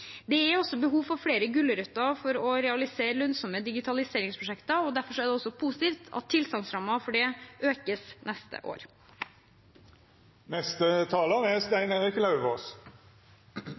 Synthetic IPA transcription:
d̪ɛæɾɔsːɔbəɦuːʋfɔfɽeːɾəɡʉlːəɾʉt̪ːɑfɔɾɔɾɛɑlɪseːɾlœnsɔməd̪ɪɡɪt̪ʰɑlɪseːɾɪŋspʰɾʊʂɛkt̪əɔd̪æɾfɔʂɔæɖ̪ɛɔsːɔpʰuːsɪ̥t̪iːft̪ʰɑ̰t̪ʰːɪlsɑŋsɾɑmːɑfɔɖɛʔøːkəsnʔɛst̪ə̰ʔo̰ːɾ | nɛst̪ət̪ʰɑːləʁæst̪æɪnəɛkəlɑʉʋoːs

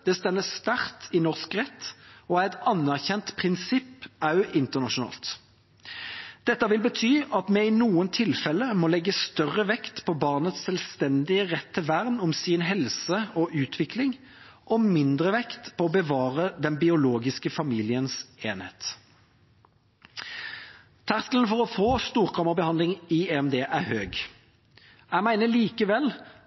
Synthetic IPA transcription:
d̪̥ɛst̪ɛnːəst̪æʁt̪ɪnɔʁskʁɛt̪ːɔæɛɪt̪ɑnːæʁçɛnt̪pʰʁɪnsɪpːɑʉʔɪnt̪əʁnɑʂʊnɑ̰ːlt̪ | d̪̥ɛt̪ːɑʋɪlbət̪ʰyːɑt̪mɛɪnuːənt̪ʰɪlfɛlːəmɔlɛɡːəst̪œʁəʋɛkt̪pʰɔbɑːʁnət̪ssɛlst̪ɛnd̪ɪəʁɛt̪ʰːɪlʋæʁnɔmsɪnɦɛlsəɔʔʉːt̪ʰʋɪklɪŋ | ʔɔmɪnd̪ʁəʋɛkt̪pʰɔɔbəʋɑːʁəd̪ɛnbɪʊloːɡɪskəfɑmiːlɪənseːnhḛːt̪ | t̪ʰæʁsk̪lənfɔʁɔfoːst̪uːʁkʰɑməʁbəhɑnlɪŋieɛmd̪eːʔæʁhøːɡ | æmæɪnəliːkəʋɛl

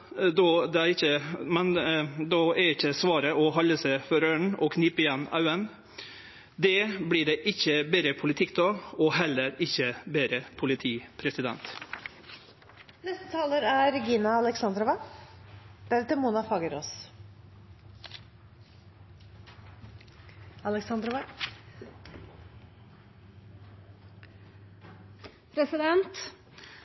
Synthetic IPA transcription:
d̪ɔd̪ɛæɪçəmɛnd̪ɔɛɪçːəsʋɑːɾəʔɔhɑlːəsəfɔɾøːɳɔkʰniːpɪjɛnɑ̰ʉən | d̪ɛbliːɖeːʔɪçːəbeɾəpʰʊlɪt̪ʰɪkd̪ɔːɔɦɛlːəɾɪçːəbeːɾəpʰʊlɪt̪ʰiːpʰɾɛsɪd̪ɛ̰nt̪ | nɛst̪ət̪ʰɑːləɾæɾɡiːnɑɑlɛksɑnd̪ɾɔʋɑ | d̪̥æɾɛt̪əmuːnɑfɑːɡəɾɔs | ɑlɛksɑnd̪ɾɔʋɑ | pʰɾɛsɪd̪ɛnt̪

